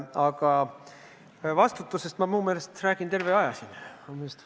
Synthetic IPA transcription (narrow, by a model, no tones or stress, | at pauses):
ɑɡɑ | vɑst̪ut̪ːˑuse̞st̪mɑmuːme̞ːle̞st̪ræːɡ̥int̪e̞rve̞ɑjɑsinomest̪